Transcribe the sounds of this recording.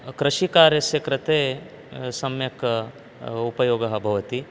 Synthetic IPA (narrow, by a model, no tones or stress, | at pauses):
kɾɐʃikaːɾjɐsjɐkɾɐt̪eː | sɐmjɐk | upɐjoːɡɐɦɐbʱɐʋɐt̪i